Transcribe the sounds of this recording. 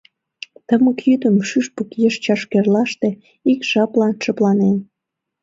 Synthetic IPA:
t̪əməkjyd̪əmʃyʃpəkjəʃt͡ɕɑʃkerlɑʃt̪e | ikʒ̥ɑplɑnʃəplɑnen

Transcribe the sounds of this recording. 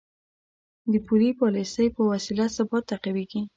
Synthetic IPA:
d̪əpulipɑlisəjpəwasilasabɑt̪ːaqaweɡi

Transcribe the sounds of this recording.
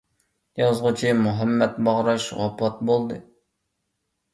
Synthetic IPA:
jɑzʁʊt͡ʃʰimuɦɛmːɛt̪bɑʁɾɑʃwɑ̰pʰɑt̪̚bolˠd̪ɨ

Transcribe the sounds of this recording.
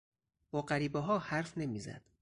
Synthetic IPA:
b̥ɒːɢæɾiːbeɦɒːhæɾfne̞miːzæ̰d̪̥

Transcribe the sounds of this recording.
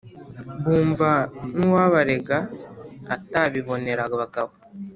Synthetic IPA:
buːɱvaniwaːβaɾeɡaataβiβo̞neɾaɡaβakaβu

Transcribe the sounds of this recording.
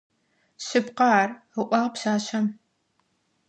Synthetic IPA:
ɕɨpqɑːr | ɨʔʷɑːʁpsaːɕɐm

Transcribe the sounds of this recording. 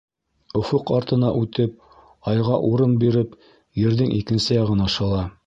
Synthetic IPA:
ŏfoqɑɾt̪ɤ̆nɑʔʉt̪ɘp̚ | ɑjʁɑʔuɾɤnbiɾɘp | jɘ̆ɾðɘŋʔikɘ̆nsɘjɑʁɤ̆nɑʃɤ̆lˠɑ

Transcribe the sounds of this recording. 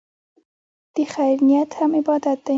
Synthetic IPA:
d̪̥əxajɾnijat̪hamɪbɑd̪at̪̚d̪a

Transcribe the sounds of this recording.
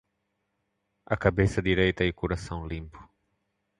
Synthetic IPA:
ɐkabesɐd̪iɾejt̪ɐɪkuɾasɐ̃w̃lĩmpʊ̥

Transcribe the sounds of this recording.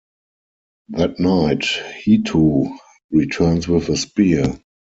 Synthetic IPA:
ðætnaɪthitʰuː | ɹitʰɜ˞nswɪðəspi

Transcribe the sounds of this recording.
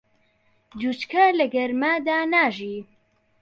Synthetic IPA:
d͡ʒut͡ʃkʰɐlɐɡɐɾmad̪aːnaːʒiː

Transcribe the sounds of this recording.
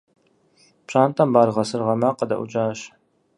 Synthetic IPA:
pɕʼaːnt̪ʼɐmbaːrʁɐsɨrʁɐmaqɐd̪ɐ̰ʔṵt͡ʃʼaːɕ

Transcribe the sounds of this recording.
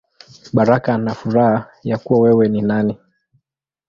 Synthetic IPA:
ɓaɾakanafuɾaha | jakuwawɛwɛninani

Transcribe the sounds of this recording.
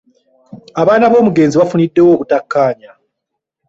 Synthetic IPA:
aβaːnaβo̞ːmuɡe̞ːnziβafunidːe̞wo̞ːβutakːaːɲa

